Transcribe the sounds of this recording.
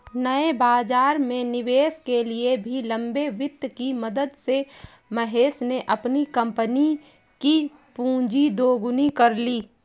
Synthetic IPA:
nəebaːd͡ʒaːɾmẽnɪʋeːskeliebʱilɐ̃mbeʋɪt̪ːkiməd̪əd̪se | məɦeːsneʔɐpnikə̃mpəni | ki | pũːd͡ʒid̪oːɡʊnikəɾliː

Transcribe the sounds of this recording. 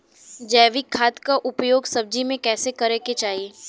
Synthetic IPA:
d͡ʒɛːʋɪkʰːaːt̪kaʔʊpjoːɡsɐb̚d͡ʒimẽkɛːsekɐɾeːket͡ʃaːɦieː

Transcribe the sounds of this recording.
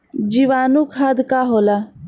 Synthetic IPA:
d͡ʒiʋaːnukʰad̪kaɦoːla

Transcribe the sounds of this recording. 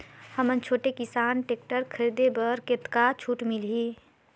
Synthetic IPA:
həmənt͡ʃʰoːʈekɪsaːnʈeːk̚ʈəɾkʰəɾid̪ebəɾket̪kat͡ʃʰuːʈmɪlɦiː

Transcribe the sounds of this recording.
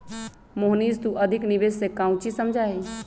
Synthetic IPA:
moɦniːzt̪uʔəd̪ʱɪknɪʋeːssekãːʊ̃t͡ʃisəmd͡ʒʱaɦi

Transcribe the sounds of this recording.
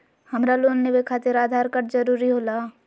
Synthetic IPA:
hɐmɾaloːnnewekʰaːt̪ɪɾaːd̪ʱaːɾkəɾzɐɾuːɾiɦoːlaː

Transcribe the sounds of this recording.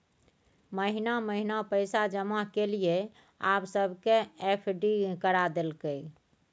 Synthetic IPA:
məɦinaməɦinapəɪsad͡ʒəmaɦkelije | absəbʱkeepʰɖikəɾad̪elkəj

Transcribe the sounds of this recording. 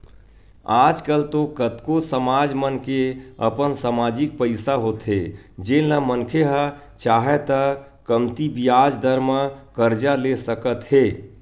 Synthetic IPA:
ad͡ʒkəlt̪okət̪kosəmad͡ʒmənkeə̰pənsamad͡ʒik̚pəɪsaɦot̪ɦe | d͡ʒenləmənkʰeɦə | t͡ʃaːɦɛt̪ə | kəmt̪ibijad͡ʒd̪əɾmakəɾd͡ʒalesəkət̪ɦe

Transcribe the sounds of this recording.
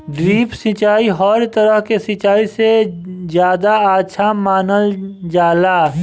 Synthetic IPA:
ɖɾiːpsɪ̃t͡ʃaːiɦɔːɾt̪əɾəɦkesɪt͡ʃaːisezjaːd̪aaːtːʃʰamaːnəld͡ʒaːlaː

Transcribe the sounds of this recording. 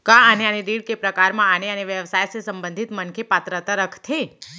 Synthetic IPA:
kãəneaneɾiɽkepɾəkaɾmãaneəneʋjəʋsajsesəmbənd̪ʱit̪mənkʰepat̪ɾət̪aɾəkʰt̪ʰe

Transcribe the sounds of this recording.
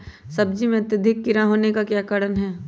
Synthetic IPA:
sɐbd͡ʒimẽɐt̪jəd̪ʱɪkːɪɾaɦoːnekakjaːkəɽənɦɛː

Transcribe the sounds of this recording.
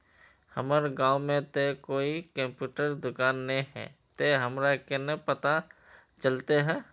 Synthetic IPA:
həməɾɡãːʊmẽt̪ekoːikə̃mpjuːʈəɾd̪ʊkaːnːĩɦɛ̰ːt̪eɦəmɾakenepət̪a | t͡ʃəlt̪eɦɛː

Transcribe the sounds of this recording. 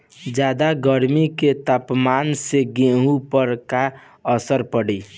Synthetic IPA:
d͡ʒad̪aɡəɾmiket̪apmanseɡẽɦupəɾka | əsəɾpəɽi

